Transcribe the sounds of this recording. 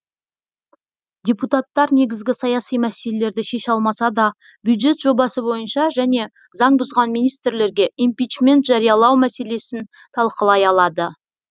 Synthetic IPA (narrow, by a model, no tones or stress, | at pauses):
d̪ʲeput̪at̪ːɑɾne̞ɡʲɪzɡʲɪsɑjɑsijmæse̞lele̞ɾd̪ɪʃe̞ʃɑlˠmɑsɑd̪ɑ | bʲjud̪ʒe̞t̪ʒ̥o̞bɑsəbo̞jənʃɑʒæne̞ | zɑɴbʊzʁɑnmijnijst̪ɾle̞ɾɡʲe̞ʔimpijt͡ʃmʲe̞nt̪ʒ̥ɑɾijɑlˠɑwmæse̞le̞sɪn | t̪ʰɑlˠqəlˠɑjɑlˠɑd̪ə